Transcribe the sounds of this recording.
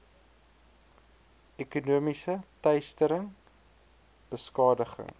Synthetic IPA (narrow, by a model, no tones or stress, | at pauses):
ɛkunuəmisətœjstəɾəŋ | b̥əskɑːdəχə̰ŋ